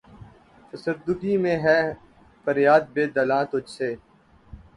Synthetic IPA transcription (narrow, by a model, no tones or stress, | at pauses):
t̪əsəd̪ːʊɡ̪iːmẽːɦɛː | fəɾjaːd̪̚beːd̪əlãːt̪ʊd͡ʒseː